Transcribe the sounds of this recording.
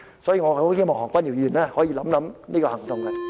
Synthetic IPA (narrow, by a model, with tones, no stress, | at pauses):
sɔː˨˥jiː˨˧ŋɔ˨˧˨hʰi˧˥˧mɔ˨˩hɔː˨˩kʷaː˧˥niː˨˩wjiː˨˩naː˦˧hɔː˨˥jiː˨˧lɐ˨˦mlɐ˨˦mniː˦˥kɔː˧hɐ˨˩ŋt̪ʊ˨˧ŋa˧